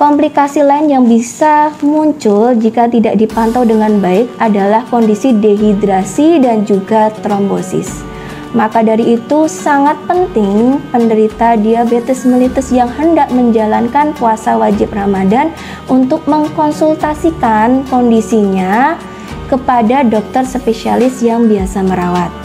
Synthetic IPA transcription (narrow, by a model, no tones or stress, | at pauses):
kɔmplikasilaɪnjaŋbisamuɲt͡ʃʊld͡ʒikat̪idaʔ̚dipant̪awdəŋanbaɪk̚ʔadalahkɔndisideɦidɾasidand͡ʒuɡat̪ɾɔmbosɪ̰s | makadaɾiːt̪usaŋat̪̚pənt̪ɪŋpəndəɾit̪adiabet̪ɛsmilit̪ɛsjaŋhəndak̚məɲd͡ʒalankanpuasawad͡ʒɪp̚ramadan | unt̪ʊk̚məŋkɔnsult̪asikankɔndisiɲa | kəpadadɔk̚t̪ərspesialɪsjaŋbiasaməɾawat̪̚